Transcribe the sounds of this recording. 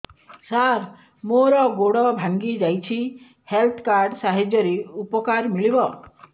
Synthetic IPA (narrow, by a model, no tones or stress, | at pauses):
saɾ | moɾɔɡoɽɔbʱaŋɡid͡ʒajt͡ʃʰi | helt̪ʰkaɾɖsaɦed͡ʒjɔɾeupɔkaɾmiɭibɔ